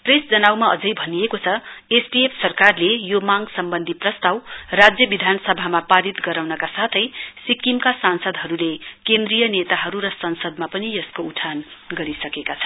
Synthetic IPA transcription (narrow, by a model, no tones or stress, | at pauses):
presd͡zʌnawmaʌd͡zʌjbʱʌnijekot͡sʰʌespiepʰsʌrkarlejomaŋɡsʌmbʌnd̪ʱiprʌst̪awrad͡zjʌbid̪ʱanʌsʌbʱamapaɾit̪ɡʌɾawnʌkasat̪ʰʌjsikimkasansʌd̪ʱɦʌɾulekend̪rijʌnet̪aɦʌɾuɾʌsʌnsʌd̪mapʌnijʌskouʈʰanɡʌɾisʌkekat͡sʰʌ̥